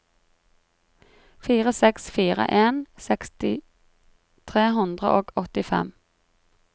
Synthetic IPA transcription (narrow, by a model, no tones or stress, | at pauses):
fiːʁəsɛksfiːʁə̰ʔeːnsɛkst̪ɪ | t̪ʰʁeːɦʉnd̪ʁə̰ʔoːɡɔt̪ɪfɛ̰m